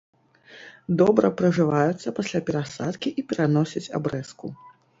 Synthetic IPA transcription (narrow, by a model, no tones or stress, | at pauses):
d̪ɔbɾɐpɾɐʐɨvajut̪sːɐpasʲlʲapʲɛɾasat̪kʲiʔipʲɛɾanɔsʲɐt͡sʲa̰bɾɛsku